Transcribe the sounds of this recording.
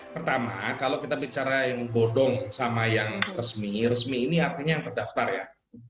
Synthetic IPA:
pərt̪amakalowkit̪abit͡ʃaɾajaŋɡodɔŋsamajaŋrəsmirəsmiːniart̪iɲajaŋt̪ərdaft̪arja̰

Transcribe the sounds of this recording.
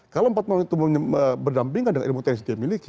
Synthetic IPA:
kalowmpat̪̚mawaŋit̪uməɲəəbərdampiŋkandəŋa̰nʔilmut̪ɛns̬demilik

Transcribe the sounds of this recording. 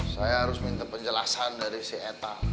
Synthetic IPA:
sajaɦaɾʊsmint̪apəɲd͡ʒəlasandaɾisiet̪a

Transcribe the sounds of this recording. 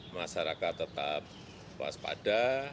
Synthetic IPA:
maʃaɾakat̪ːət̪ap̚ | pa̰spa̰d̥a

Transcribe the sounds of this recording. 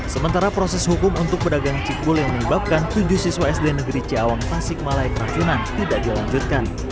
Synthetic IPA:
səmənt̪aɾapɾosɛshukʊmunt̪ʊk̚pədaɡaŋt͡ʃik̚bʊljaŋməɲəbap̚kant̪ud͡ʒuhsiswaɛsdenəɡəɾit͡ʃiawaŋt̪asɪk̚malaikəɾat͡ʃunant̪idaʔdilaɲd͡ʒut̪̚kan

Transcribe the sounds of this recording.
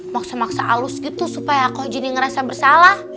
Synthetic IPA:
maksamaksaʔa̰lʊsɡit̪usupajakɔhd͡ʒəniŋəɾasabərsalah

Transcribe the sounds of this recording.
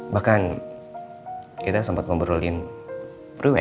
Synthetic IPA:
bahkan | kit̪asampat̪̚məmbəɾulɪn | riwɛ̰

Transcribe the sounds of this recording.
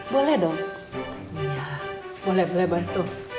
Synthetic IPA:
bolɛhdɔŋ | ija | b̥olɛhbolɛhbat̪u

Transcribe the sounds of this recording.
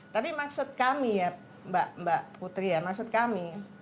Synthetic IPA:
t̪apimaksʊt̪̚kamija | mbaʔmbaʔput̪ɾijamaksʊt̪̚kami

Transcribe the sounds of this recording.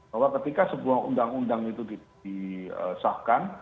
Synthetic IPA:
b̥awakət̪ikasəbuahṵndaŋundaŋit̪udidiə̰sahkan

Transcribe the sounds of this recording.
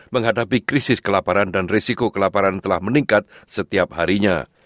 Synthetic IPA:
məŋɦadapikɾisɪskəlapaɾandanresikokəlapaɾant̪əlahməniŋkat̪̚sət̪iap̚haɾiɲa̰

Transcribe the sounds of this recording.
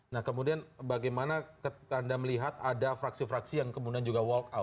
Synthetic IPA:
nahkəmudianbaɡajmanakəkandaməliɦat̪adafɾaksifɾaksijaŋkəmudiand͡ʒuɡawɔlkawt̪̚

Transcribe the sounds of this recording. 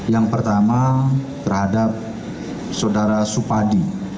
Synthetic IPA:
jaŋpərt̪amat̪ərhadap̚ | sawdaɾasupadi

